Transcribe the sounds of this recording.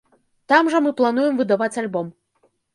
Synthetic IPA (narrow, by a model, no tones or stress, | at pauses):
t̪amʐɐmɨplˠan̪ujɛmvɨd̪avat͡sʲalʲbɔm